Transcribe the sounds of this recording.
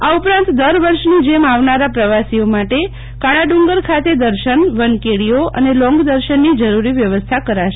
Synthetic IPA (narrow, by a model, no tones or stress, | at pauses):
aupɾãnt̪d̪əɾʋəɾʃnid͡ʒemaʋnaɾapɾəʋasiomaʈe | kaɽ̃aɖuŋɡəɾkʰat̪ed̪əɾʃənʋənkeɽioə̰nelɔ̃ŋɡd̪əɾʃənːid͡ʒəɾuɾiʋjəʋəst̪ʰakəɾaʃe